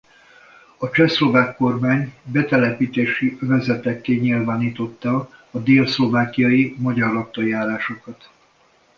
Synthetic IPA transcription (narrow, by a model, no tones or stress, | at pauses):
ɒt͡ʃɛslo̞vaːkːo̞rmaːɲbɛt̪ɛlɛpiːt̪eːʃiøvɛzɛt̪ɛkːeːɲilvaːniːt̪o̞t̪ːɒːd̪eːlslo̞vaːkijɒjimɒɟɒrlɒkt̪ːojaːɾaːʃo̞kɒt̪